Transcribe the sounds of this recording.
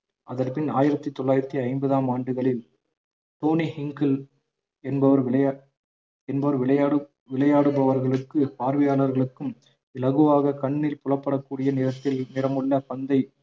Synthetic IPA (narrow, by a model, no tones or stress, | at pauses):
ʔɐðɐɾpɪnaːjɪɾɐt̪ːɯt̪ːɔɭːaːjɪɾɐt̪ːiɐɪmbɐðaːmaːɳɖɯɣɐɭɪl | t̪oːnihɪŋkɐl | ɛnbɐʋɐɾɪɐ | ɛnbɐʋɐɾʋɪɭɐɯ | ʋɪlɐjaːɽɯbɐʋɐɾɣɐɭɯkːɯpaːɾʋɪjaːɭɐɾɣɐɭɯkːɯm | ɪlɐɣɯʋaːɣɐkɐɳːɪlpʊlɐpːɐɽɐkːuːɽɪjɐnɪɾɐt̪ːɪlnɪɾɐmɯɭːɐpɐnd̪ɐɪ